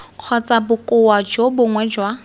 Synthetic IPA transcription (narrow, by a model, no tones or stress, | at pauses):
q͡χʰɔt͡sʼabʊkʼʊwad͡ʒobʊŋwɛd͡ʒwa